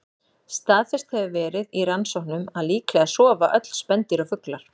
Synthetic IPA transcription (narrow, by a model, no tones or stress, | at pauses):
st̪aːðfɛst̪hɛvɪvɛːɾɪðiransɔhnʏmaðliːklɛɣasɔːvaʔœt̪l̥spɛnt̪ɪɾafʏklaɾ̥